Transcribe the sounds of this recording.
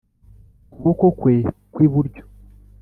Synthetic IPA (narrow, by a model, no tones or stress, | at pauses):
kuβokokwekwiːβuɾɟo̥